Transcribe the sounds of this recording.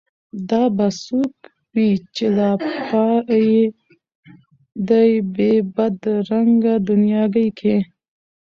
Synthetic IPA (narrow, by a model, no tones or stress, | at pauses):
d̪ɑbasuk | wit͡ʃelapɑje | d̪ajbebad̪ɾaŋɡad̪ʊnijɑɡajkʰe